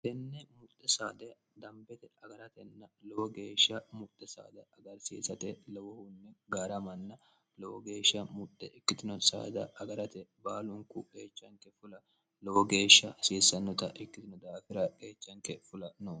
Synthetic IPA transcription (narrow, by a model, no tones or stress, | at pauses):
t̪ɛnːɛmʊt̪ʼːɛsa̰ːd̪ɛ | d̪ɐmbɛt̪ɛɐɡɐɾɐt̪ɛnːɐlɔwɔɡeːʃːɐmʊt̪ːɛsa̰ːd̪ɐɐɡɐɾsḭːsɐt̪ɛlɔwɔhʊnːɛɡaːɾɐmɐnːɐ | lɔwɔɡeːʃːɐmʊt̪ːɛɪkːɪt̪ɪnɔsa̰ːd̪ɐ̰ʔɐɡɐɾɐt̪ɛbaːlʊŋkʊkeːt͡ʃːɐŋkɛfʊlɐ | lɔwɔɡe̞ːʃːɐsiːsɐnːɔt̪ɐʔɪkːɪt̪ɪnɔd̪aːfɪɾɐke̞ːt͡ʃːɐŋkɛfʊlɐnoː